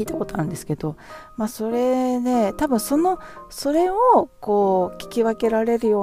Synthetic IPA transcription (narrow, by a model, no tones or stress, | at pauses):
iːt̪ako̞t̪o̞nãnd̪e̞sɨ̥ke̞d̪̥o̞maːso̞ɾe̞d̪e̞t̪abɯ̟̃ɰ̃so̞no̞so̞ɾe̞oko̞ːkʲi̥kʲiβake̞ɾaɾe̞ɾɯ̟jo̞ː